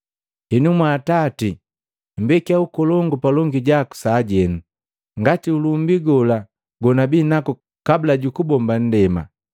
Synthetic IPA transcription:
hɛnumwaːtati | m̩bɛkiaukɔlɔŋɡɔpalɔŋɡiɟaku̥saːɟɛnu | ŋɡatiulumbiɡɔla | ɡɔnabinaku | kabilaɟukubɔmban̩dɛma̰

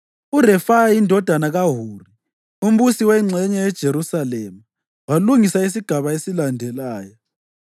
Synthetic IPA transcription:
urɛfajaindʱɔd̥ʱanaɣaɦuːri | um̩ɓusiwɛŋ͡ǀʱɛɲɛjɛd̥ʒ̥ʱeɾusalɛma | waluŋisais̬iɡ̥ʱaβaesilandʱɛlaːjɔ

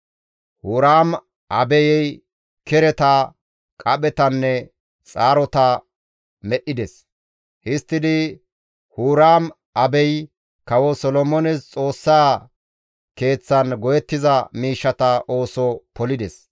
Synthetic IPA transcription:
huːɾaːm | ʔɐbɛjɛj | kɛɾɛt̪ɐ | kʼɐɓɛt̪ɐnːɛ | t͡sʼaːɾɔt̪ɐ | mɛʔːɪd̪ɛs | hɪst̪ːɪd̪ɪ | huːɾaːm | ʔɐbɛj | kɐwɔsɔlɔmɔnɛst͡sʼo̞ːsːaː | ke̞ːt͡sːɐnɡɔjɛt̪ːɪzɐmiːʃːɐt̪ɐʔo̞ːsɔpɔlɪd̪ɛs

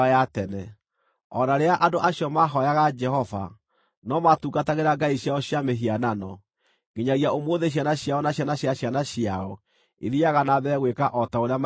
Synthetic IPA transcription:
atɛnɛ | ɔnaɾeaʔadoʔaɕjɔmaɦɔjaɣad͡ʒɛhɔva̰ | nɔmatuːɡataɣeɾaɡaiɕjaɔɕjameɦiananɔ | ɡeɲaɣiaomoðeɕ̬janaɕjaɔnaɕjanaɕjaɕjanaɕiaɔ | eðiaɣanaðɛɣwekaʔɔtaoɾeam

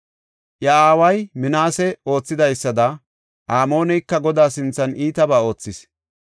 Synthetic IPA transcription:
ʔjɐaːwɐjmɪnaːsɛo̞ːt͡sːɪd̪ɐjsːɐd̪ɐ | ʔaːmo̞ːnɛjkːɐɡɔd̪aːsɪnt͡sːɐnʔiːt̪ɐbaːo̞ːt͡sːɪs

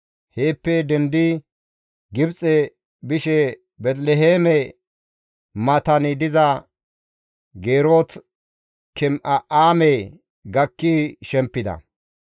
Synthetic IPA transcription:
heːpːɛd̪ɛnd̪ɪ | ɡɪbt͡sʼɛ | bɪʃɛ | bɛt̪lɛɦeːmɛ | mɐt̪ɐnɪd̪ɪzɐ | ɡeːɾoːt̪ | kɪmʔɐʔaːmɛ | ɡɐkːiʃɛmpːɪd̪ɐ̰

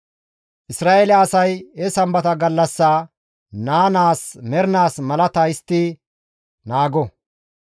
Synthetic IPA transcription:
ʔɪsɾaːʔelɛɐsɐjɛsɐmbɐt̪ɐɡɐlːɐsːaː | naːnaːsmɛɾɪnaːsmɐlɐt̪ɐɪst̪ːi | naːɡɔ

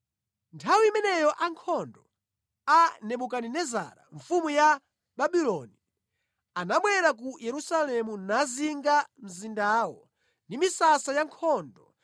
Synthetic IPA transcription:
ntʰawiimɛnɛjɔʔaŋkʰɔndɔ | anɛɓukaninɛza̰ɾa̰ɱfumuja | ɓaɓilɔni | anaɓwɛɾak̬ujʔɛɾusalɛmunaziŋɡam̩zindaːwɔ | ndimisasajaŋkʰɔndɔ

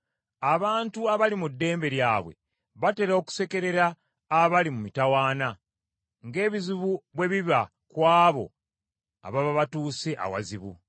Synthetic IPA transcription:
aβaːntuaβalimudːe̞ːmbe̞ɾjaːβwe̞̰ | βate̞ɾoku̥se̞ke̞ɾe̞ɾaː | βalimumitawaːna | ŋɡe̞ːβiziβuβwe̞βiβa | kwaːβo̞̰ | a̰βaβaβatuːseʔa̰wa̰ziβṵ

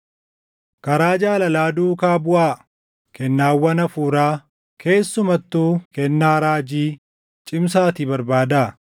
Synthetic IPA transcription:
kɐɾaːd͡ʒaːlɐlaːd̪uːkaːbʊʔaː | kʰɛnːaːwːɐnɐfuːɾaː | kʰe̞ːsːʊmɐt̪ːuːkɛnːaːɾaːd͡ʒiː | t͡ʃʼɪms̬aːt̪ɪbɐɾbaːd̪aː

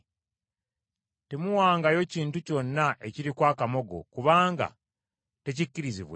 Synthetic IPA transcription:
temuwaːŋɡajo̞ciːntuco̞nːaʔe̞ciɾikwaːkamo̞ɡo̞̰kuβaːŋɡa̰ | te̞cicːiɾiziβwe

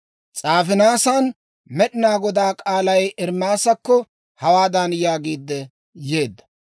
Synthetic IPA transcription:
t͡sʼaːfɪnaːsan | mɛɗɪnaːɡɔd̪aːkʼaːlɐjʔɛɾmaːsɐkːɔ | hɐwaːd̪ɐnjaːɡiːd̪ːɛ | je̞ːd̪ːɐ̥

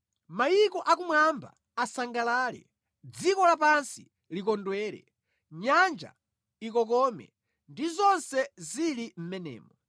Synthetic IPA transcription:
majikɔʔakumwamba̰ | asaŋɡalaːlɛ̰ | d͡zikɔlapansi | likɔndwɛːɾɛ̰ | ɲand͡ʒa̰ | ikɔk̬ɔmɛ̰ | ndizɔnsɛzilim̩mɛnɛ̰ːmɔ

